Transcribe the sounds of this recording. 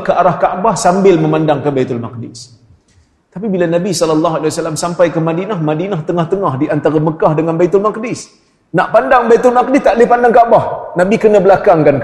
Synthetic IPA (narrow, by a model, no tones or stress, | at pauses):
kəaɾahkaʔbahsambɪlməmandaŋkəbajt̪ʊlmak̚dɪs | t̪ap̬ibilanabisɔlɔlːɑɦualiwasalamsampajkəmadinahmadinaht̪əŋaht̪əŋahdiʔant̪aɾaməkahdəŋanbajt̪ʊlmak̚dɪs | naʔpandaŋbajt̪ʊlmak̚dɪst̪aʔləihpandaŋkaʔbahnabikənə̃bəlakaŋkank